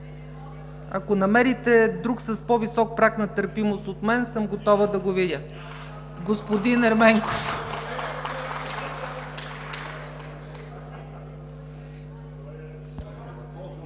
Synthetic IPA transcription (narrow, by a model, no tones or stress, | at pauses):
ɐ̰konɐmɛɾit̪ɛd̪ɾuksɐspɔvisɔk̚pɾaknɐt̪əɾpimosot̪mɛnsɤmɡot̪ɔvəd̪ɐɡovid̪ʲə | ɡospod̪inɛɾmɛŋkof